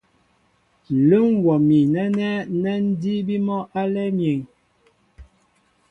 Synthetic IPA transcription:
lə˦ŋ˦wɔ˨mi˨nɛ˦nɛ˦nɛ˦n̩˦di˦bi˦mɔ˦ʔa˦lɛ˦mje˨ŋ

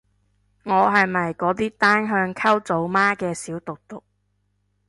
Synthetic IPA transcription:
ŋɔː˨˧ɦɐ˨jmɐ˨jkɔː˨˥t̪iː˥t̪aː˥nɦœː˧ŋkʰɐ˥wt͡so˨˥wmaː˥kɛː˧siː˨˥wt̪ʊ˨k̚t̪ʊ˨k̚

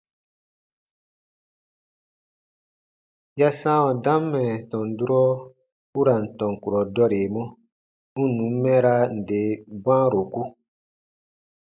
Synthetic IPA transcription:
ja˦sã˦wɔ̃˨dã˦mːɛ˨tɔ̃˨n˨du˦ɾɔ˦ | u˦ɾa˨n̩˨tɔ̃˨ŋ˨ku˨ɾɔ˨dɔ˦ɾe˨mɔ̃˦ | u˦nũ˨˦mː˦ɛ̃˦ɾa˦n̩˨de˨˦bã˦ɾo˨ku˦

